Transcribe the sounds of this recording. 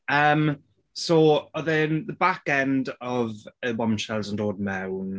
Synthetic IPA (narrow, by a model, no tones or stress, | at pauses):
əːm | soɔðɛnðəbakɛndɔvəbɔmʃɛlˠzəndoːd̚mɛwn